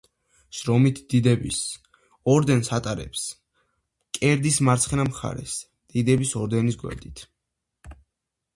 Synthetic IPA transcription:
ʃɾɔmit̪ʰd̪̥id̪ɛbis | ɔɾd̪ɛnsat̪ʼaɾɛ̰ps | kʼɛɾd̪ismaɾt̪sʰχɛnamχa̰ɾɛ̰s | d̪̥id̪ɛbisɔɾd̪ɛnisɡwɛ̰ɾd̪it̪ʰ

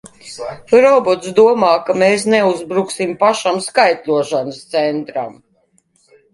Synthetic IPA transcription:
ɾɔbɔt̪sd̪uɔmaːkameːs̬neuzbɾuksimpaʃamskajt̪ʲlʲuɔʃanəst̪sɛnt̪ɾa̰m

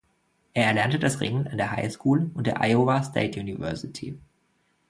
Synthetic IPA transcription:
ʔeːɐɛɐlɛɐntədasʁɪ̰ŋənandeːɐɦa̰ɪskʰuːlʊnt̚d̥eːɐʔa̰ɪovastʰḛɪtʰjunivɛɐsɪtʰḭ

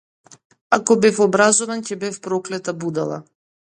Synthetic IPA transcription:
akɔbɛfɔbɾazɔvancɛbɛfpɾɔklɛt̪abud̪alˠa̰

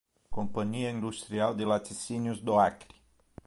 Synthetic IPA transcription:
kompaniaind̪ust̪ɾiald̪elat̪isinjusd̪oakɾi̥

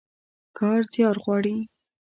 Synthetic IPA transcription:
kɑɾzjɑɾɣwɑɽi

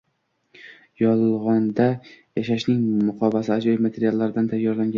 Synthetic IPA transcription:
jɒlˠlˠʁɒnd̪ajaʃaʃnɪŋmʊqʰɒbasɪad͡ʒɒjɪmat̪ʰe̞ɾijalˠːaɾɪd̪ant̪ʰajːɒɾlaŋɡʲa

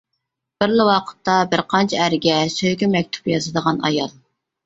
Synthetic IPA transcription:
b̥ɪɾlɪwɑqʰə̥t̪ːɑbɪɾqʰɑnt͡ʃʰɛæɾɪɡʲɛsøjɡʲymɛk̚ʲt̪ʰu̥pjɑzɨd̪əʁɑnɑ̰jɑlˠ

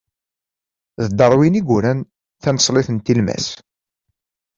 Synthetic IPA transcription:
ðəd̪ɑɾˤwiniɡʷuɾæn | θænəsˤlɪθənt̪ilmæ̰s

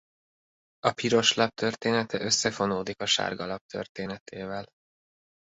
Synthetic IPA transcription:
ɒpiɾo̞ʃlɒp̚t̪ʰø̞rt̪eːnɛt̪ɛʔø̞sːɛfo̞noːd̪ikɒʃa̰ːrɡɒlɒp̚t̪ʰø̰rt̪eːnɛt̪ʰeːvɛl

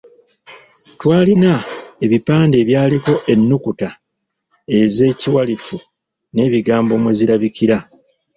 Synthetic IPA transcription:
twaːlinae̞βipaːnde̞ːβjaːliko̞ʔe̞nːukuta | e̞ze̞ːciwalifu | ne̞ːβiɡaːmbo̞ːmweziɾaβikiɾa

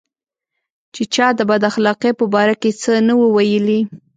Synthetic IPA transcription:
t͡ʃet͡ʃɑd̪əbad̪axlɑqepəbɑɾaket͡sənawəwajəli

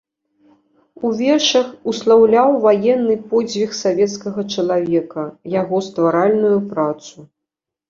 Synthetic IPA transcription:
uvʲɛrʂɐxuslˠawlʲawvajɛnːɨpɔd͡zʲvʲixsavʲɛt̪skɐɣɐt͡ʂɐlˠavʲɛkɐjaɣɔst̪vaɾalʲnujupɾat̪su

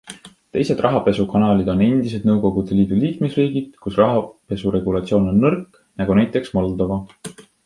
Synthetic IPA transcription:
t̪e̞jse̞d̪̥rʔɑɦɑpe̞sukɑnɑːlid̪̥o̞ne̞nd̪̥is̬e̞d̪nɤwko̞ɡ̥ud̪̥e̞liːd̪̥uliːkme̞sriːɡ̥id̪̥kusrɑɦɑpe̞suɾe̞ɡ̥ulɑt̪sio̞ːno̞nːɤrk | nɑɡ̥unæjt̪ːˑe̞ksmɑld̪̥ovɑ

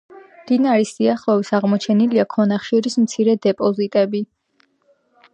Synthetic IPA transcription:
md̪̥inaɾisiaχlˠɔvisaʁmɔt͡ʃʰɛniliakʰɔnaχʃuɾismt̪sʰiɾɛd̪ɛpʼɔzit̪ʼɛbi

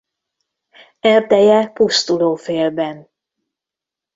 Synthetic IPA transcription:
ɛrd̪ɛjɛpust̪uloːfeːlbɛn

